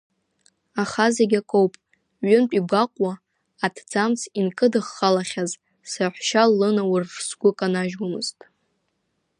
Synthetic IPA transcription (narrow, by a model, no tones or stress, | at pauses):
aχazeɡʲakʼowpʼ | ɥʏnpʷʼiɡʷaqʷʼwaː | tʰd͡zamt͡sʰinkʼɨdɨχːalaχʲaz | saħʷᶣʃalɨnawʊrːsɡʷʊkʼanaʒwamɨ̰ztʼ